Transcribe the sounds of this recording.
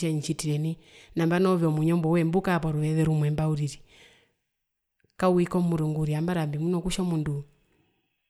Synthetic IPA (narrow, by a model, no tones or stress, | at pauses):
ɛɲ̩t͡ʃitiɾɛninambanɔvjɔmuɲɔmbɔwɛmbukapɔɾuɛðɛɾumwɛmbauɾiɾi | kauikɔmːuɾuŋɡuɾiambaɾambimunɔkuʃɔmundu